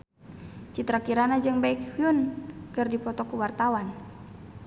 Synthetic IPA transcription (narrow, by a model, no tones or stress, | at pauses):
t͡ʃit̪ɾakiɾanad͡ʒɨŋbaikhuunkɨrdipɔt̪ɔkuwart̪awan